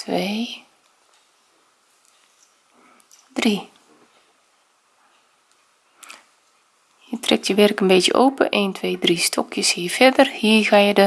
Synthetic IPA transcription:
tʋe | dri | hiətrɛk̚tjəʋɛrkənbeːtjə̰ʔoːpə̰ʔeːntʰʋeːdristʰɔkʰjəshiːrfɛdərhiːɣajədə

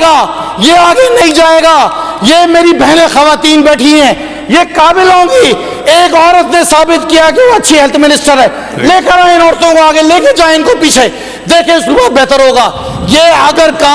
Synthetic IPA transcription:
ɡaːjeaːɡenɐɦĩd͡ʒaːeːɡaːjeːmeːɾibɛɦnexɐʋaːt̪iːnbɛːʈʰiɦɛ̃ː | jekaːbɪlɦõːɡi | eːkɔːɾət̪nesaːbɪt̪kijakeʋoɐtːʃʰiɦɛlt̪ʰmɪnɪsʈəɾɦɛː | leːkəɾaeɪnɔːɾt̪õkoaːɡeleːked͡ʒaːeɪnkopiːt͡ʃʰe | d̪eːkʰẽʊsuːbabɛːt̪əɾɦoːɡaː | jeːɐɡəɾka

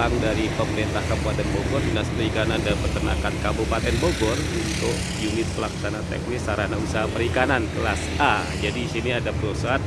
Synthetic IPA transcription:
aŋdaɾipəməɾint̪ahkabupat̪ɛnboɡɔrdinasp̪ikandapət̪əna̰kankabupat̪ɛnboɡɔrunt̪ʊʔ | junɪt̪̚pəlaksanat̪ɛ̰k̚nɪsaɾanausaɦapəɾikanankəlas | a | d͡ʒadiːsiniadapəɾosat̪̚

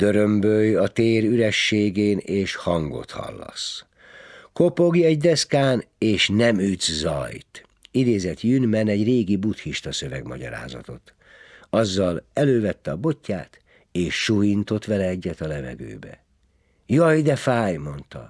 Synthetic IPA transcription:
d̪̥øɾømbøjɒt̪eːɾyɾɛʃːeːɡeːneːʃhɒŋɡo̞̰t̪hɒ̰lːɒ̰s | kopo̞ɡiɛɟd̪ɛskaːneːʃnɛmyzzɒ̰jt̪ | id̪eːzɛt̪jynmɛnɛɟreːɡibut̪hiʃt̪ɒsø̞vɛɡmɒɟɒ̰ɾa̰ːzɒ̰t̪o̞̰t̪ | ɒzːɒlɛløːvɛt̪ːɛɒbo̞cːa̰ːt̪ | eːʃːujint̪o̞t̪ʋɛlɛɛɟːɛt̪ɒlɛvɛ̰ɡø̰ːbɛ̰ | jɒjd̪ɛfaːjmo̞nt̪ɒ̰

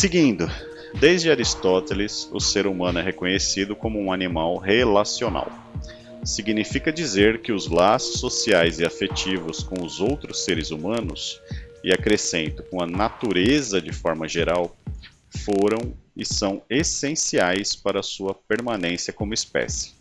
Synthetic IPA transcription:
sɪɡĩnd̪ʊ | d̪ejzd͡ʒɪaɾist̪ɔt̪elɪsʊ̰seɾumɐ̃nʊɛɦekõɲesid̪ʊkõmʊũanimawɦelasiona̰w | siɡinifikɐd͡ʒizeɾkɪʊzlasʊ̥sːosiajzɪafet͡ʃivʊskõw̃ʊzowt̪ɾʊsːeɾɪzumɐ̃nʊsɪakɾesẽnt̪ʊ̥kõɐnat̪uɾezɐd͡ʒɪfɔɾmɐʒeɾaw | foɾɐ̃w̃ɪsɐ̃w̃esẽsiajspaɾɐːsuɐpeɾmãnẽsiɐkõmʊispɛ̰sɪ̥

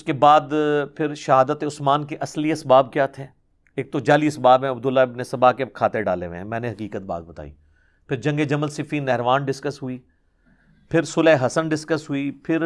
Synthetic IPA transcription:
ʊskebaːd̪pʰɪɾʃɐɦaːd̪ət̪eʊsmaːnkeʔɐsliesbaːb̚kjaːt̪ʰeː | eːk̚t̪ot͡ʃaːliːsbaːbɛ̃ɐbd̪ʊlːaɪbnesɐbaːkekʰaːt̪eɖa̰ːleʋḛ̃ɦɛ̃mɛ̃ːneɦɐkiːkət̪̚ba̰ːd̪̚bɐt̪a̰ːḭː | pʰɪɾd͡ʒɐ̃ŋɡed͡ʒɐməlsɪfʰiːnɛɦɾʋaːnɖɪskəsɦʊiː | pʰɪɾsʊlɛːɦɐsənɖɪskəsɦʊipʰɪɾ

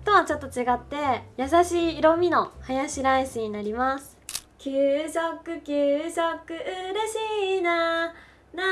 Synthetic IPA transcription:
t̪oβat͡ɕo̞t̪ːo̞t͡ɕiɡat̪ːe̞jasaɕiːɾo̞mʲino̞hajaɕiɾaisɨɲ̟inaɾʲimasɨ̥kʲɯːɕokːɯkʲɨːɕokːɯ̟ɯ̟ɾeɕiːna | na

